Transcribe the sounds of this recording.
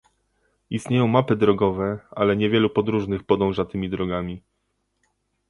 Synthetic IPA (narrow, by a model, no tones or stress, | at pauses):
ist̪ɲejɔ̃w̃mapɘd̪ɾɔɡɔvɛalɛɲɛvʲjɛlupɔd̪ɾuʐnɘxpɔd̪ɔ̃w̃ʐat̪ɘmʲid̪ɾɔɡamʲi